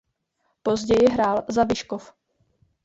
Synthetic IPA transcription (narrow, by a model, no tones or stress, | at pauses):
po̞zɟɛjɪɦɾaːlzabɪʃkof